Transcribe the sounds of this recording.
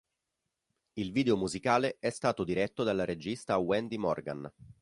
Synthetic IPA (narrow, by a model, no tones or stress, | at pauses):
ilviːd̪eomuzikaːleɛst̪aːt̪od̪iɾɛt̪ːod̪alːaɾed͡ʒist̪awɛnd̪imɔ̰rɡa̰n